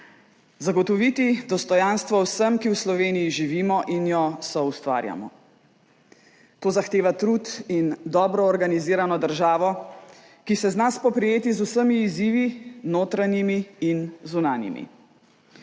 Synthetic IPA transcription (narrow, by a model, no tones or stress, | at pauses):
zaɡɔt̪ɔʋit̪id̪ɔst̪ɔjanst̪ʋɔwsəmkiwslɔʋeːnijiʒiʋiːmɔʔinjɔsɔust̪ʋa̰ːɾja̰mɔ̰ | t̪oːzaxt̪eːʋat̪ɾut̪ind̪ɔːbɾɔːɾɡaniziːɾanɔd̪əɾʒaːʋɔ | kisɛznaspɔpɾɛjeːt̪izusəmiːziːʋinoːt̪ɾanjimiːnzunaːnjḭmḭ